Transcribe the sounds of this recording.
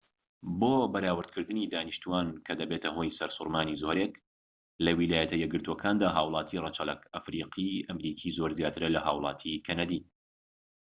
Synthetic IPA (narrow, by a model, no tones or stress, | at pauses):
boːbɐɾaːwɨɾd̪kʰɨɾd̪ɨniːd̪aːniʃt̪uaːnkʰɐd̪ɐbeːt̪ʰɐɦo̞jsɐɾsʊɾmaːnizoːɾek | lɐwilaːjɐt̪ʰɐjɛɡɨɾt̪ʰokʰaːnd̪aːɦaːwlˠɑːt̪ʰirˤɐt͡ʃʰɐlɐ̰kɐfɾiːqʰiʔɐmɾiːkʰiːzoɾzjaːt̪ʰɨɾɐlɐha̰ːwlˠɑːt̪ʰikʰɐnɐd̪iː